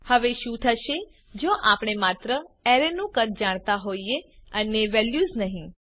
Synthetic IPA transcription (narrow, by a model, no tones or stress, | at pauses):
həʋeʃũt̪ʰəʃe | d͡ʒoʔapɽ̃emat̪ɾəɛɾenũkət̪̚d͡ʒaɽ̃t̪aɦoieəneʋɛljuznəɦĩ